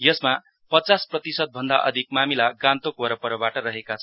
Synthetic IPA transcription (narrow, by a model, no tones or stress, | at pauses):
jʌsma | pʌt͡sasprʌt̪isʌd̪̚bʱʌnd̪aʔʌ̰d̪ʱik̚mamilaɡãnt̪okoɾʌpʌɾʌbaʈʌrʌɦekat͡sʰʌ